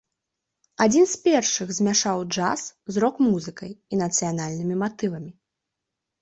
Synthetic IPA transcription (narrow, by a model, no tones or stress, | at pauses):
ad͡zʲinspʲɛrʂɨɣzʲmʲaʂawd͡ʐa̰szɾɔkmuzɨkɐjinɐt̪sɨjanalʲnɨmʲimat̪ɨvɐmʲi